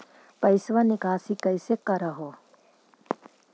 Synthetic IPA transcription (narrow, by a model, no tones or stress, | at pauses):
pɐɪsʋanɪkaːsikɐɪsekɐɾəɦo